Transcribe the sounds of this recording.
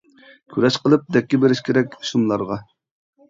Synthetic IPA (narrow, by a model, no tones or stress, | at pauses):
kʲʰyɾɛʃqəlˠɨp̚d̪ɛkʲːɛbeɾɪʃkʲʰeɾɛkʲʃumlˠɑɾʁɑ